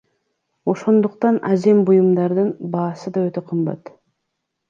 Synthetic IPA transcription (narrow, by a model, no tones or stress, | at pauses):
o̞ʃo̞nd̪uqt̪ɑnɑze̞mbujumd̪ɑɾd̪ɯnbɑːsɯd̪ɑøt̪e̞qʰɯmbɑ̰t̪